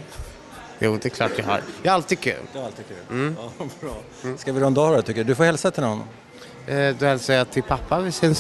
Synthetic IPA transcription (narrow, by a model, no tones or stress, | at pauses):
jṵːd̪ɛɛkʰlɑ̰ːʈvɪɦa̰ɾjaɛɾalt̪iːd̪kʰʉ̰ːld̪ɛɾalt̪id̪kʰʉ̰ːlbɾɑː | skavɪɾɔɛnd̪ɑːɾɛt̪ʏkːəɖd̪ɵfɔɾhɛlsat̪ʰɪlnɔnː | d̪ɔhɛlsɛjat̪ʰɪlpʰapːavɪsɪns